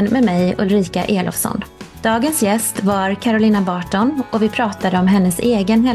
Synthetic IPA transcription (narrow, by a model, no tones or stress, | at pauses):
nmɛdmɛjɵ̰lɾiːka̰ʔeːlɔ̰fsɔ̰nd̪̥ɑːɡənsjɛst̪vaɾkʰaɾʊlɪːnabɑːʈɔnɔvɪpʰɾɑːt̪ad̪əɔmɦɛnːəseːɡənhɛ